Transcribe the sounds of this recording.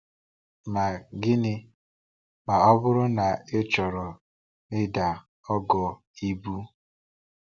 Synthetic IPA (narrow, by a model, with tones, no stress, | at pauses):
ma˨ɡɪ˦nɪ˦ | k͡pa˨ɔ˦bʊ˦ɾʊ˦na˨e˦t͡ʃɔ˨ɾɔ˨ | nɪ˦da˨ | ɔ˦ɡɔ˨ | i˦bu˦